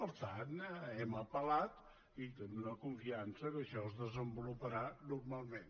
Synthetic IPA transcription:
pəɾt̪anɛməpəlat̪ | it̪enunəkuɱfiansəkəʃɔəzðəzəmbulupəɾanurmalˠmen

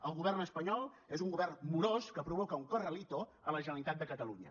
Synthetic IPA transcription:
əlˠɣuβɛrnəspəɲɔlˠ | ezuŋɡuβɛrnmuɾoskəpɾuβɔkəuŋkərəlit̪o | ələʒənəlit̪at̪d̪əkət̪əluɲə̰

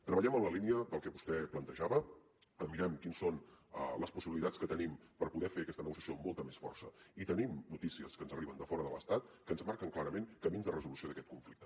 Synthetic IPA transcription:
t̪ɾəβəʎɛməmləliniəðəlˠkɛβu̥st̪ɛplənt̪əʒaβə | əmːiɾɛmkinsonə̰ləspusiβilit̪at͡sskət̪ənimpəɾpuðɛfeəkɛst̪ənəɣusiəsiomːolˠt̪əmesfɔ̰rsəit̪ənimnut̪isiəskənzəriβənd̪əfɔɾəðələ̰st̪at̪̚kənzmaɾkəŋklˠaɾəmenkəminzðərəzulusioðəkɛt̪̚kuɱflikt̪ə

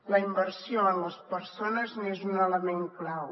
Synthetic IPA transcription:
ləimbəɾsjoənləspəɾsonəznezunələmeŋklaw

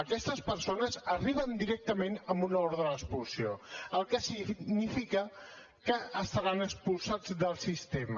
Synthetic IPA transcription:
əkɛst̪əspəɾsonəzəriβ̞ənd̪iɾɛk̚t̪əmenəmbunɔɾðələkspulˠsioəlˠkəsiɡnifikə | kəəst̪əɾanəkspulˠsad͡zðəlˠsist̪emə

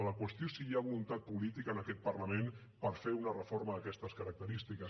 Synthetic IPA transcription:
ələkwəst̪josiaβulunt̪at̪̚pulit̪ikənəkɛt̪̚pərləmen | pəɾfeunərəfoɾməðəkɛst̪əskəɾək̚t̪əɾist̪ikəs

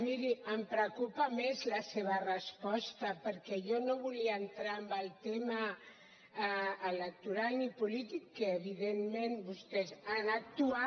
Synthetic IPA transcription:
miɾiəmpɾəkupamezlaseβ̞arəspɔst̪apəɾkɛʒonoβuliaːnt̪ɾaːmbəlˠt̪ema | lək̚t̪uɾalnipulit̪ikːəːβiðemmẽnbust̪ɛzanak̚t̪ua

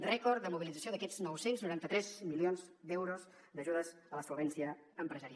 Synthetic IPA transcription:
rɛkɔɾd̪əmuβilid͡zəsioðəkɛznɔwsenznuɾant̪ət̪ɾɛzmilionzd̪ɛwɾuz | d̪əʒuðəz | ələsulβɛnsiə | əmpɾəzəɾia

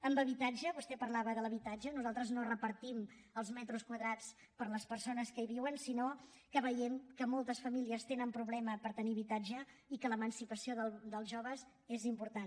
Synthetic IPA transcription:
əmbəβit̪ad͡ʒəβust̪ɛpəɾlaβəðələβit̪ad͡ʒənuzalˠt̪ɾəznorəpəɾt̪im | əlˠzmɛt̪ɾuskwəðɾat͡s | pəɾləspəɾsonəskəiβ̞iwənsino | kəβəjɛmkəmɔlˠt̪əsfəmiliəst̪enəmpɾuβlɛməpəɾt̪əniβit̪ad͡ʒə | ikələmənsipəsioðəld̪əlˠʒoβəz | ezimpuɾt̪an

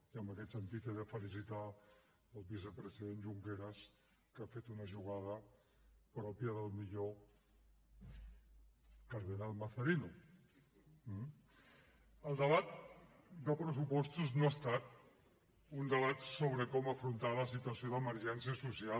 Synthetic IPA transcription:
iəmbəkɛt̪sənt̪it̪eðəfəlisit̪a | əlˠβis̬əpɾəziðenʒuŋkeɾəs | kafet̪unəʒuɣ̞að̞ə | pɾɔpjəðəlˠmiʎo | kaɾðənalˠmaθəɾinu | əlˠd̪əβat̪̚d̪əpɾəs̬upɔst̪uznoast̪at̪ | und̪əβat̪soβɾəkɔməfɾunt̪aləsit̪uɐsijoðəməɾʒɛns̬iəsusia

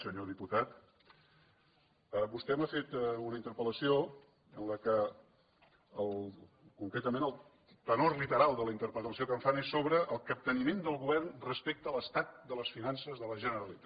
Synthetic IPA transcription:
səɲoðiput̪at̪ | əbust̪ɛmafet̪unəint̪əɾpələsio | ənləkə | əlˠ | kuŋkɾɛt̪əmenəlˠ | t̪ənorlit̪əɾalˠd̪ələint̪əɾpɾət̪əsiokəɱfanesːoβɾəʔəlˠkəp̚t̪ənimend̪əlˠɣuβɛrnrəspek̚t̪əːləst̪at̪̚d̪ələsfinansəzðələʒənəɾəlit̪a

